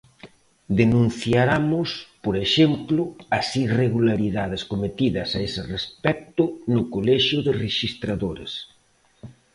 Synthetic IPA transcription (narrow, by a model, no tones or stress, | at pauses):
d̪enũn̟θjaɾamʊspoɾeʃemplʊɐsireɣulaɾiðað̞ɪskomet̪iðɐsaesɪrespɛk̚t̪ʊnʊkolɛʃʊðɪreʃist̪ɾaðoɾḛs